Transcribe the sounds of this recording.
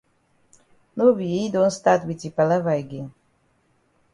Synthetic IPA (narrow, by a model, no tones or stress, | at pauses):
nobijed̪õnst̪at̪witipalavajɡin